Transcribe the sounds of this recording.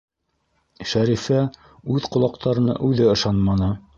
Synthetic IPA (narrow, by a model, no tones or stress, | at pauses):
ʃæɾifæ | ʉðqŏlˠɑq̚t̪ʰɑɾɤ̆nɤ̰ʔʉðɘɤ̆ʃɑnmɑnɤ